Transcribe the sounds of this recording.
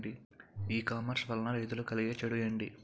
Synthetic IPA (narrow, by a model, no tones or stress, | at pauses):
ɖi | iːkaːmɐɾsʋɐlnɐɾejd̪ulukɐliɡeːt͡ʃɐɽujɐɳɖi